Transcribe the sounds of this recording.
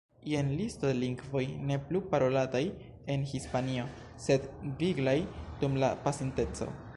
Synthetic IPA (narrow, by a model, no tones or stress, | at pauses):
ienlistodeliŋɡvo̞jne̞plupaɾo̞lataj | e̞nhispanio̞ | se̞dviɡlajd̥umla̰pasente̞t͡so̞̰